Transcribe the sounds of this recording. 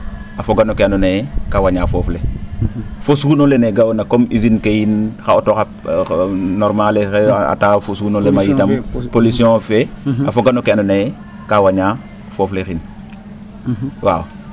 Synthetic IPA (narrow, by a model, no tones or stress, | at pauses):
afoɡanokeanonejekawaɲaːfoːfle | fosuunoleneɡawonakomizinkejinxaotoxa | noɾmaleea̰tafosuunolemajitampolisiõfeafoɡanokeanonaje | kawaɲa | foːflexin | wa̰ːw